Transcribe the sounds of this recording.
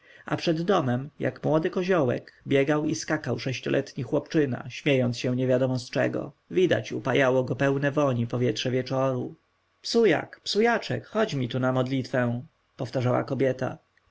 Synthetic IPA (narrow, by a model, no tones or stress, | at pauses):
a̰pʂɛd̪ːɔmɛmja̰kmwɔd̪ɘkɔʑɔwɛ̰kbʲjɛɡawiskakawʂɛɕt͡ɕɔlʔɛt̪ɲixwɔpt͡ʂɘna̰ɕmʲjejɔnt̪sɕɛ̃ɲɛvʲjad̪ɔmɔst͡ʂɛ̰ɡɔ̰ | vʲid̪a̰t͡ɕṵpajawɔɡɔpɛwnɛvɔɲipɔvʲjɛt̪ʂɛvʲjɛt͡ʂɔɾu | psuja̰kpsujat͡ʂɛkxɔd͡ʑmʲit̪unamɔd̪lʲit̪fɛ̃ | pɔft̪aʐawa̰kɔbʲjɛt̪a̰